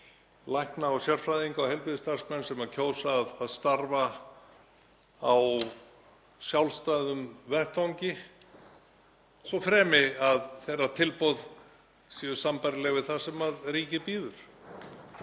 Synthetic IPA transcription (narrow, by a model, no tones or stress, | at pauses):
lajhknaawsjœr̥fɾajðiŋkawɦɛlpɾiðɪst̪ar̥smɛnːsɛmacʰoːwsaðaðst̪aɾva | aw | sjawlst̪aðʏmvɛht̪vawɲcɪ | sɔfɾɛːmɪaðθejrːat̪ʰɪlpɔwð | sɛʏsampajɾlɛɣvɪθasɛmaðɾiːcɪpiːðʏɾ̥